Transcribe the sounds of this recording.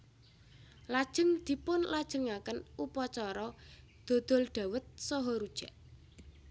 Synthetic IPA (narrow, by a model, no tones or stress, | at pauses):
lad̥ʒ̥ə̤ŋd̪̥i̤pʊnlad̥ʒ̥ə̤ŋakənupɔt͡ʃɔɾɔ | d̪̥o̤d̪̥ɔ̤lɖ̪̥a̤wət̪̚sɔɦɔɾud̥ʒ̥a̤ʔ